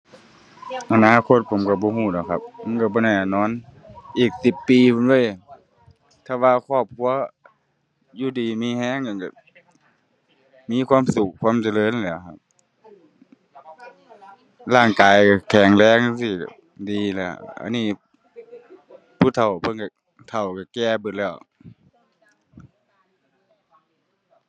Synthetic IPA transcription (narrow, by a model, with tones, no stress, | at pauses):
ʔa˧naː˧˨kʰo˧˥t̪̚pʰo˨˦mka˧˩bɔː˧˦huː˧˩dɔ˧˩kʰa̰˧p̚ːa˧˦˨nka˧˩bɔː˧˦nɛː˧˩˨nɔː˧˥˨n | ʔiː˨˩k̚si˨˧˩pːiː˧pʰo˧˦nlɤː˧˥˨ | t̪ʰɛː˧waː˧kʰɔː˧˩p̚kʰu˧˥ɐ | juː˧˨diː˨miː˧˥˨hɛː˧˥˨ŋa˧˨nka˧˩ | miː˧˥˨kʰwaː˧˥˨msu˧k̚ʰːwaː˧˥˨mt͡ɕa˧˨lɤː˧˥˨n˨lɛ˧˩˨kʰa˧˩p̚ | laː˧˩ŋkaː˨jka˧˩kʰɛː˨˩ŋlɛː˧˨ŋ˧˨siː˧˩ka̰˧˩ | diː˨lɛ̰˧˩ʔa̰˧˨niː˧˩˨ | pʰuː˧˩t̪ʰa˨˩wpʰɤ˧˥˨nka˧˩ | t̪ʰa˨˩wka˨˩kɛː˧˩bɯ˧˩lɛː˧˩˨w